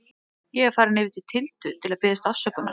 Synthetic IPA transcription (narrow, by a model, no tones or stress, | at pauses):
jɛɣaɾfaːɾɪnɪvɪt̪ɪ̥t̪ʰɪlt̪ʏt̪ʰɪlaðpɪːðɪst̪að̥sœkʏnːa̰